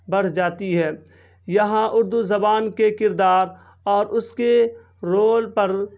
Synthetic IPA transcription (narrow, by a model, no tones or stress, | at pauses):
bɐɽ̤d͡ʒaːt̪iɦɛː | jɐɦãʔʊɾd̪uzɐbaːnkekɪɾd̪aːɾ | ɔːɾʔʊske | ɾoːlpɐɾ